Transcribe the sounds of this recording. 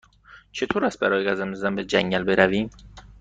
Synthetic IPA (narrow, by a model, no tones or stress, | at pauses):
t͡ʃʰe̞t̪ʰoːɾæst̪̚bæɾɒːjeɡæzæmzæmbed͡ʒæŋɟælbeɾæviːm